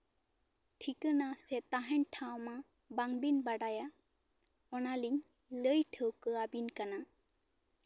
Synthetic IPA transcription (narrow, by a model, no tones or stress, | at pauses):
tʰikɯnasetaɦantʰawma | baŋbinbaɖaja | ɔnaliŋ | lɯjtʰɯwkɯabinkana